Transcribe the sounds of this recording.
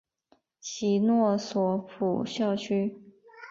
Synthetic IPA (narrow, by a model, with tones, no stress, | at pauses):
t͡ɕʰi˧˥nwɔ˥˩swɔ˧˩pʰu˨˩ɕjɑ˥˩ʊt͡ɕʰy˥